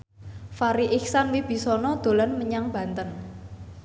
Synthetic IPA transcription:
faɾiʔiksanwib̥i̤sɔnɔd̪̥o̤lanməɲaŋb̥ä̤nt̪ən

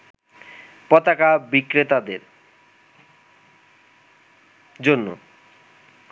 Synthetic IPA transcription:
pɔt̪akabikɾet̪ad̪eɾ | d͡ʑonːo̰

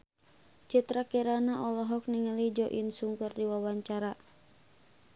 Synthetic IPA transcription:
t͡ʃit̪ɾakiɾanaʔɔlɔɦɔk̚niŋalid͡ʒɔʔinsuŋkurdiwawaɲt͡ʃaɾa

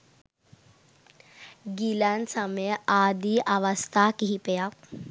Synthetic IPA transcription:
ɡilansəmad̪iʔaʋəst̪ʰakiɦipeja

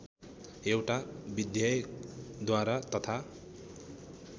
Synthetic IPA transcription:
ewʈabid̪jʌjd̪waɾat̪ʌt̪ʰa

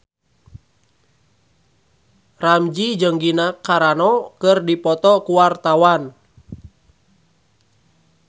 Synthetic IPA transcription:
ramd͡ʒid͡ʒəŋɡinakːaɾanɔkɨrdipɔt̪ɔkuwart̪awan

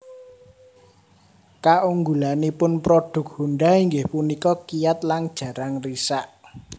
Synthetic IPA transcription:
kaʔuŋɡulanipʊnpɾoɖ̥ʊ̤k̚huɳɖaiŋɡɪhpunikɔkijat̪̚laŋd̥ʒ̥ä̤ɾaŋrisaʔ

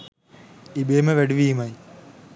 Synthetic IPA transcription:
ibeːmɐʋeɖʋiːmɐj

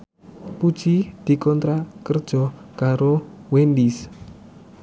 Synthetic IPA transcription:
pud̥ʒ̥id̪̥i̤kɔnt̪ɾakərd̥ʒ̥ɔ̤kaɾowend̪is

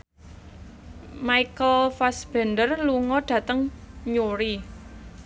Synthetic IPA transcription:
maikəlfasb̥ɛ̤ndərluŋɔɖ̥ä̤t̪əŋɲoɾi

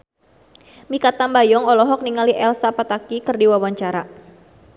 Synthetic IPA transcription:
mikat̪ambajɔŋɔlɔɦɔk̚niŋaliʔɛlsapat̪akikərdiwawaɲt͡ʃaɾa

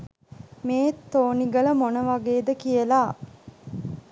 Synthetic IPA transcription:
meːt̪ːoːniɡələmonəʋaɡeːd̪əkijəlaː

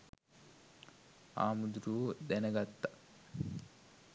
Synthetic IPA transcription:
a̰ːmud̪uɾud̪ɛnɐɡɐt̪ːɐ

